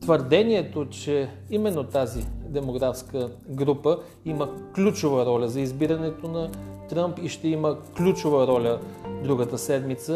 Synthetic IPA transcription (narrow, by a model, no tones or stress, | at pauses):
t̪vəɾd̪ɛniɛt̪ot͡ʃɛ | imɛnːot̪azid̪ɛmoɡɾafskəɡɾupə | iməklʲut͡ʃovəɾɔlʲəzɐizbiɾɐnɛt̪onɐt̪ɾəmpiʃt̪ɛiməklʲut͡ʃovəɾɔlʲəd̪ɾuɡət̪əsɛd̪mit̪sə